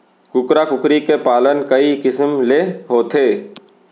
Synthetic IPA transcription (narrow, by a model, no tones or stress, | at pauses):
kʊkɾakʊkɾikepaːlənkɐikɪsəmleɦoːt̪ʰeː